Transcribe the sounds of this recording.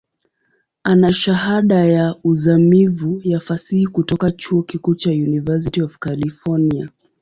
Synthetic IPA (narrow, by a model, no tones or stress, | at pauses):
anaʃaɦaɗajauzamivujafasihikutɔkat͡ʃuɔkikuːt͡ʃajunivɛs̬itiɔvkalifɔnia